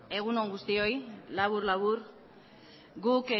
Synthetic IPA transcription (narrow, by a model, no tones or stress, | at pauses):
e̞ɣ̞unoŋɡust̪io̞jlaβuɾlaβuɾ | ɡuk